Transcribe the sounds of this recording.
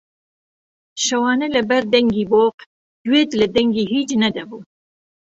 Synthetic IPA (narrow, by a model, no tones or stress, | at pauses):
ʃɐwɑːnɛlɐbɛɾd̪ɛŋɡiːboːq | d̪̥weːt̪lɐd̪ɛŋɡiːɦiːt͡ʃnɐd̪ɐbuː